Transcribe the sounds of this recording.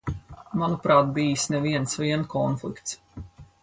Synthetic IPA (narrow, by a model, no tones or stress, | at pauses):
manupɾaːt̪̚bijisnɛviɛnsvʲiɛnkʰɔnflˠḭkt̪s